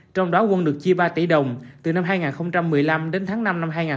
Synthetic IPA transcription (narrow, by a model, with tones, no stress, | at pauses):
t͡ɕɔ˧wŋ͡mɗɔ˨˦kwə˧nɗɨ˨˩ək̚t͡ɕi˧əɓaː˧t̪ḭ˧˩ɗə˨˩wŋ͡mt̪ɨ˨˩na˧mɦaː˧jŋaː˨˩nxə˧wŋ͡mt͡ɕa˧mːɨ˨˩əjla˧mɗe˨˦nt̪ʰaː˨˦ŋna˧mna˧mɦaː˧jŋaː˨˩